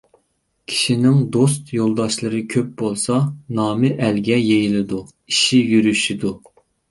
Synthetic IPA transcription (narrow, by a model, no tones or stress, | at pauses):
kʲʰi̥ʃinɪŋd̪ost̪jolˠd̪ɑʃlˠɨɾɨkʲʰøp̚bolˠsɑnɑːmɨʔɛlɡʲɛjejilˠɨd̪u | iʃijyɾyʃid̪u